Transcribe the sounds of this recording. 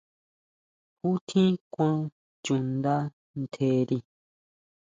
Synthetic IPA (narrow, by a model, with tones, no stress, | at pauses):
hu˦t̪ʰĩ˦kʷã˦ | t͡ʃũ˨nd̪a˦ | n̩˨t̪ʰe˧˦ɾi˧